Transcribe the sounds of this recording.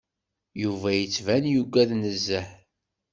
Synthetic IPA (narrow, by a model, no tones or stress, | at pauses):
juvæjət͡sːvænjuɡʷæðnəzːəħ